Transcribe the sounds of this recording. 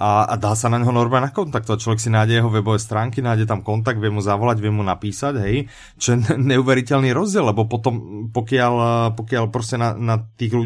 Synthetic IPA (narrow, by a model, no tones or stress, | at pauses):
ʔaa̰d̪aːsanaɲɦɔnɔɾmanakɔnt̪ak̚t̪ɔat͡ʃlɔʋɛksinajɟɛjɛɦɔʋɛbɔʋɛst̪ɾaːŋkinaːjɟɛt̪̬amkɔnt̪̬aɡ̚d̪ʋɪɛmuzaʋɔlaɟʋɪɛmunapiːsaɟɦɛj | t͡ʃɔjɛɲɛuʋɛɾicɛlniːɾɔzɟɪɛllɛbɔpɔt̪ɔmpɔkɪalpɔkɪalpɾɔscɛnanat̪iːɣlu